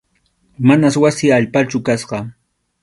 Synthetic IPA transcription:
manaswasɪaʎpat͡ʃʊkasɢɑ

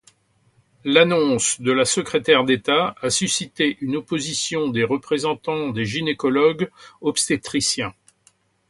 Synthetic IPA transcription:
lanɔ̃sd̪əlasəkχet̪ɛʁd̪et̪aasysit̪eʔynopozisjɔ̃d̪eʁəpχezɑ̃t̪ɑ̃d̪eʒinekɔlɔɡɔpst̪et̪χisjɛ̃

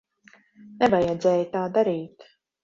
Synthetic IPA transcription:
nevajɛd̪zɛːjt̪aːd̪aɾiːt̪

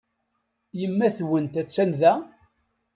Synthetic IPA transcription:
jəmːæθwənt̪æt͡sːænðæ

